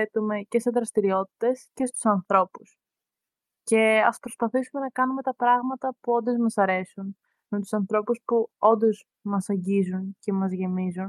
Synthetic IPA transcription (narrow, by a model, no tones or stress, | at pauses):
et̪ume̞ce̞st̪eðɾɐst̪iɾio̞t̪i̥t̪e̞sce̞st̪u̥sɐnθɾo̞pus | ce̞ɐspɾo̞spɐθisume̞nɐkɐnume̞t̪ɐpɾɐɣmɐt̪ɐpuo̞nd̪ozmɐsɐɾe̞sun | met̪u̥sɐnθɾo̞puspuo̞nd̪o̞z | mɐsɐɲɟizunce̞mɐzʝe̞mizun